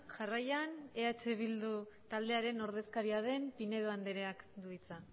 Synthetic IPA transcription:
ʝarajane̞at͡ʃe̞β̞ild̪ut̪ald̪e̞aɾe̞no̞ɾð̞e̞skaɾiað̞e̞mpine̞ðoand̪eɾe̞akd̪uit͡sa

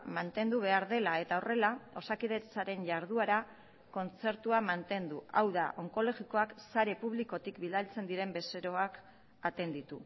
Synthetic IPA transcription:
mant̪e̞nd̪uβ̞e̞aɾðe̞lae̞t̪aore̞lao̞sakiðe̞t͡saɾe̞nʝaɾð̞uaɾa | ko̞nt͡se̞ɾt̪uamant̪e̞nd̪uawðaʔo̞ŋko̞lo̞ɣiko̞aksaɾe̞puβ̞liko̞t̪ikbild̪alt͡se̞nd̪iɾe̞mbe̞seɾo̞ak | at̪e̞nd̪it̪u

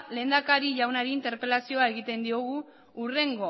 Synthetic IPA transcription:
le̞ːnd̪akaɾiʝawnaɾiint̪e̞ɾpe̞lasio̞ae̞ɣit̪e̞nd̪io̞ɣ̞u | ure̞ŋɡo̞

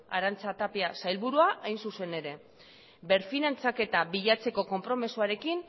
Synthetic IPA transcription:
a̰ɾant͡sat̪apiasajlβuɾuaʔajnsuse̞ne̞ɾe̞ | be̞ɾfinant͡sake̞t̪aβiʎat͡se̞ko̞ko̞mpɾo̞misuaɾe̞kin

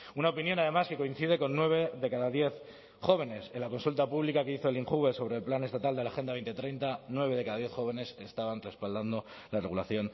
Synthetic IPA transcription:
unaopinjõ̞naðe̞maske̞ko̞in̟θið̞e̞ko̞nːwe̞β̞e̞ðe̞kaðaðje̞θ | xo̞β̞e̞ne̞senlako̞nsult̪apuβlikake̞iθo̞eliŋxuɣeso̞β̞ɾe̞lplane̞st̪at̪ald̪e̞laxe̞nd̪aβejnt̪et̪ɾejnt̪anwe̞βe̞ðekaðaðje̞θxo̞βe̞ne̞se̞st̪aβanre̞spald̪and̪o̞ | lare̞ɣulaθjo̞n

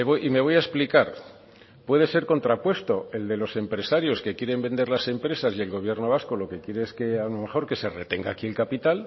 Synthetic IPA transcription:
eβojʔime̞β̞o̞jaesplikaɾ | pwe̞ð̞e̞se̞ɾko̞nt̪ɾapwe̞st̪o̞e̞ld̪e̞lo̞se̞mpɾe̞saɾjo̞ske̞kje̞ɾe̞mbe̞nd̪e̞ɾlase̞mpɾe̞sasie̞lɣo̞β̞je̞ɾno̞β̞asko̞lo̞ke̞kje̞ɾe̞eskeanome̞xo̞ɾke̞se̞re̞t̪eŋɡaːkie̞lkapit̪al

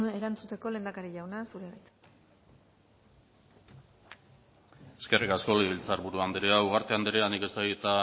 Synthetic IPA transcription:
e̞ɾant͡sut̪e̞ko̞le̞ːnd̪akaɾiʎawnasuɾeβajt̪ | eske̞rʔikasko̞leβilt͡saɾβuɾuand̪eɾeauɣ̞aɾt̪eand̪eɾeanike̞st̪aɣit̪a

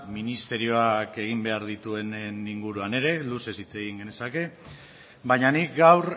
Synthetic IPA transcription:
minist̪e̞ɾio̞ake̞ɣ̞imbe̞aɾðit̪ue̞neniŋɡuɾuane̞ɾe̞luse̞sit͡se̞ɣiŋɡe̞ne̞sake̞ | baɲanikɡawɾ

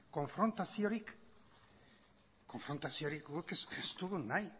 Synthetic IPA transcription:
ko̞ɱfɾo̞nt̪asio̞ɾik | ko̞ɱfɾo̞nt̪asio̞ɾikɣukesest̪uðunaj

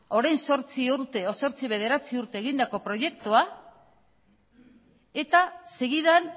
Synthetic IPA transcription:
o̞ɾajnso̞ɾt͡siuɾt̪e̞oso̞ɾt͡siβ̞e̞ð̞e̞ɾat͡siuɾt̪e̞ːɣind̪ako̞pɾo̞je̞kt̪ua | e̞t̪aseɣiðan

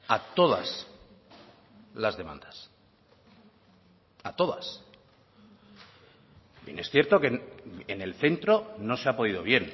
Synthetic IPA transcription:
at̪o̞ða̰s | lazðe̞ma̰nd̪̥as | at̪o̞ðas | bje̞ne̞sθje̞ɾt̪o̞keenelθe̞nt̪ɾo̞no̞seapo̞ðiðo̞βje̞n

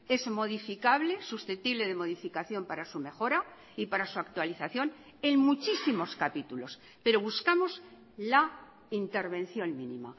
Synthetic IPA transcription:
e̞zmo̞ðifikaβle̞susθet̪iβle̞ð̞e̞mo̞ðifikaθjo̞mpaɾasume̞xo̞ɾa | ipaɾasuak̚t̪waliθaθjo̞n | e̞ŋmut͡ʃisimo̞skapit̪ulo̞s | pe̞ɾo̞β̞uskamo̞z | la | int̪e̞ɾβẽ̞nθjo̞nmĩnḭ̃ma̰

